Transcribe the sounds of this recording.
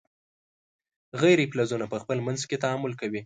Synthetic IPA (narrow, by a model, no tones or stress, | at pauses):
ɣajɾeplazunapəxpəlmanzket̪aamʊlkawi